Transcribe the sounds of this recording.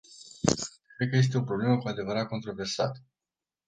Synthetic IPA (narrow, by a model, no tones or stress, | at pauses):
kɾed̪̚kəje̞s̬t̪e̞o̞pɾo̞ble̞məkuad̪e̞vəɾat̪̚ko̞nt̪ɾo̞ve̞rsa̰t̪ə̥